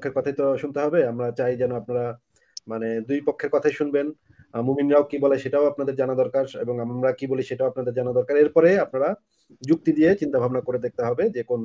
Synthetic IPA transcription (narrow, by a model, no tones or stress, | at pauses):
kʰːeɾkɔt̪ʰajt̪oʃunt̪eɦɔbeamɾat͡ɕajd͡ʑɛnoapnaɾa | maned̪ujpokʰːeɾkɔt̪ʰajʃunben | muminɾaokiboleʃeʈaoapnad̪eɾd͡ʑanad̪ɔɾkaɾḛboŋamɾakiboliʃeʈaoap̚nad̪eɾd͡ʑanad̪ɔɾkaɾeɾpɔɾeap̚naɾa | d͡ʑuk̚t̪id̪iet͡ɕint̪abʱabnakoɾed̪ek̚t̪eɦɔbed͡ʑekon